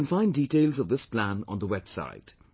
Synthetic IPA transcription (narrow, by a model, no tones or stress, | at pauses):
nfãɪ̃ndiʈeɪlˠzʌvðɪspʰlæ̃nə̰̃nðəwɛb̥sa̰ɪd̥